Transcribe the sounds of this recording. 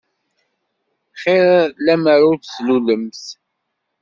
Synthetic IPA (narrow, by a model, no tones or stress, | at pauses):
χɪɾlæməɾʊɾt͡ssluləmθ